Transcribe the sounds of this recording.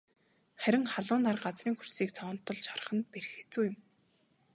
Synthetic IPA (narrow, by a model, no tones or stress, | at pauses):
χæɾʲɪ̆ŋχaɮʊːnt̪arɢat͡sriːŋxur̥siːkt͡sʰɔːn̥t̪ːɞ̆ɮt͡ɕɔ̥r̆χə̆nt̪̚peɾɘ̆xe̥t͡suːjɪ̆m